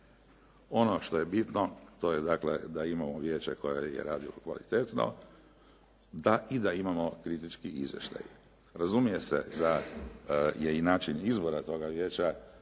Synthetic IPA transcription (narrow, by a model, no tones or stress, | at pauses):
o̞no̞ʃt̪o̞je̞bit̪not̪o̞je̞d̪akle̞̰d̪aimamoʋje̞ːt͡ɕḛko̞jeje̞̰ɾaːd̪ilokʋa̰lḭt̪e̞t̪no̰ | d̪aʔid̪aimamo̞kɾit̪it͡ʃkiʔḭzʋje̞̰ʃt̪a̰j | ɾazumije̞se̞̰d̪a | je̞inaːt͡ʃinizbo̞ɾat̪o̞ːɡaʋje̞ːt͡ʃa